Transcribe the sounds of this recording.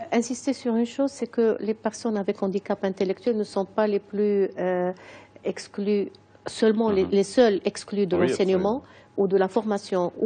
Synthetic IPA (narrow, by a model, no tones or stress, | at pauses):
ɛ̃sist̪esyʁynʃoːzsɛkəlepɛʁsɔnavɛkɑ̃d̪ikapɛ̃t̪elɛk̚t̪ɥɛlnəsɔ̃paleply | ɛkskly | sœlmɑ̃lelesœlɛksklyd̪əlɑ̃sɛnjəmɑ̃ | ud̪əlafɔʁmasjɔ̃u